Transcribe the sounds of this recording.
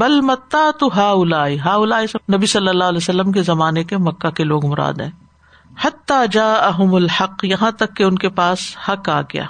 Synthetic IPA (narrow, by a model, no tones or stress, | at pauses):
bɐlmɐt̪ːaːt̪ʊɦaːʊlaːiɦaːʊlaːisenɐbisɐlːəlːaːɐlɛsɐlːəmkezɐmaːnekemɐkːakeloːɡmʊɾa̰ːd̪ɦɛ̰̃ː | ħɐt̪ːaːd͡ʒaːʔɐɦʊmʊlħɐqːjɐɦãt̪ɐkːeʊnkepaːshɐka̰ːɡɐja̰ː